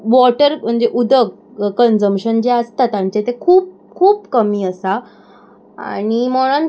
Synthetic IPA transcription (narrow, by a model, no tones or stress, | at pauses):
ʋɔʈəɾm̤əɳd͡ʑeʔud̪ʱəɡ̚ | kənd͡zəmɕənd͡ʑeəst̪at̪ãɲt͡ɕet̪ekʰuːp̚ | kʰuːpkəmiːəsa | a̰ɽ̃imɔɽ̃ən